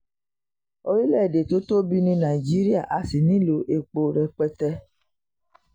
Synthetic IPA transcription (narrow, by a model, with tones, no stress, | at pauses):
o˦ɾi˦lɛ˦˨de˨to˨˦to˦bi˦nĩ˧na˨i˨d͡ʒi˨˦ɾi˦a˦˨ʔa˨si˨nĩ˨˦lo˨˦ʔe˨k͡po˨ɾɛ˨k͡pɛ˧tɛ˧